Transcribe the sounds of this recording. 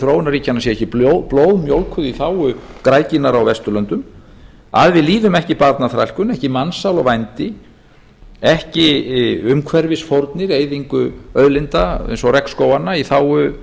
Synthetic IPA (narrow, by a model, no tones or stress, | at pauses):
θɾownaɾriːcanːasjɛɛhcɪploːwðmjowlkʰʏðiθawʏkɾaːjcɪnaɾawvɛst̪ʏlœnt̪ʏm | a̰ðvɪðliːðʏmɛhcɪpaɾt̪naθɾajl̥kʏnɛhcɪmansawlɔvajnt̪ɪ | ɛhcɪʏmkʰvɛɾvɪsfowɾt̪nɪɾeːjðiŋkʏœðlɪnt̪aḛjnsɔrɛkskowanːaiθawʏ